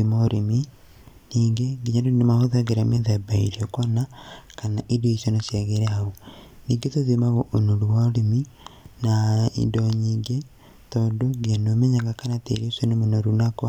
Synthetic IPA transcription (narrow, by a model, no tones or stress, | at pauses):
imaoɾemi | niːŋɡeɡiɲadonemahoðaɣeɾameðɛbaiɾiɔkɔnakanaʔidoisjonosjaɣeɾɛaoniːŋɡetoðimaɣoʔonoɾuwaoɾemi | naḭndɔɲiːŋɡe | tɔːndoɡeanomɛɲaɣakanatḛɾesjonomonoɾunakwa